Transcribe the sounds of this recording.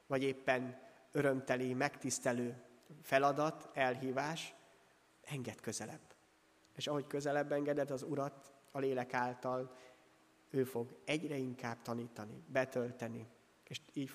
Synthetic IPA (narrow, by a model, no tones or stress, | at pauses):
vɒɟeːpːɛn | ø̞ɾø̞mt̪ɛlimɛkt̪ist̪ɛløːfɛlɒd̪ɒt̪ɛlɦiːvaːʃ | ɛŋɡɛt̪kø̞zɛlɛ̰bː | eːʃɒɦo̞ckø̞zɛlɛbːɛŋɡɛd̪ɛd̪ɒzuɾɒt̪ɒleːlɛkaːlt̪ɒl | øːfo̞ɡɛɟrɛiŋkaːbt̪ɒniːt̪ɒnḭbɛt̪ølt̪ɛni | eːʃiːc